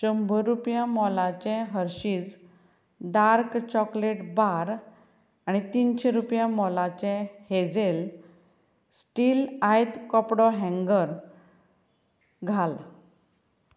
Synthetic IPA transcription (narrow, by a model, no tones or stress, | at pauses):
t͡ɕəmbʱəɾupjãmɔlat͡ɕɛ̃ɦəɾɕiːt͡s | ɖaɾkt͡ɕɔkleʈbaɾ | añit̪inɕeɾupjãmɔlat͡ɕɛ̃hed͡zel | sʈilajd̪kɔpɽɔɦɛ̃ŋɡəɾ | ɡʱal